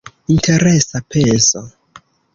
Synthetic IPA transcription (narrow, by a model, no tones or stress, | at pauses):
intʰeɾesapʰenso